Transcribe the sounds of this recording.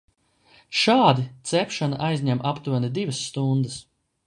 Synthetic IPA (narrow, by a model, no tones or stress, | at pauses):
ʃaːd̪it̪sɛpʃanaʔajzʲɲʲɛmʔapt̪uɔnid̪ivɐsːt̪und̪əs